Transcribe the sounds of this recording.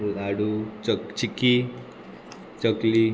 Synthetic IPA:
uaɽut͡ʃikːi | t͡ʃəkli

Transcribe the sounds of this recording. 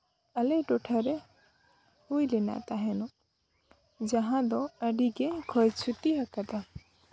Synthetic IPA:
əlɛʈɔʈʰaɾɛ | hujlɛna̰t̪aɦɛnɔ | d͡ʒaɦãd̪ɔəɖiɡɛkʰɔjt͡ʃʰut̪iɦakat̪a

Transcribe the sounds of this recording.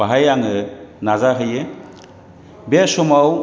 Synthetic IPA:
aɦajaŋɯnazaɦɯje | bɛsɔmaw

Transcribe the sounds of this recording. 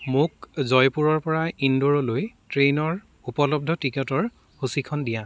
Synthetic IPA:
mukzɔjpuɹɔɹpɔɹaindɔɹɔlojtɹenɔɹ | upɔlɔb̚dʱɔtikɛtɔɹ | husikʰɔndijã

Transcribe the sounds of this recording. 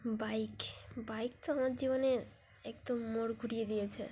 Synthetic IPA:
bajkbajk̚t̪oamaɾd͡ʑiβoneɾ | ɛk̚d̪omːoɽɡʱuɽijed̪ijet͡ɕʰḛ

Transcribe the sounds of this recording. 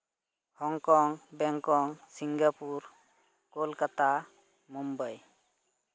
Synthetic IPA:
hɔŋkɔŋbɛŋkɔŋsiŋɡapuɾ | kolkat̪a | mumbəj

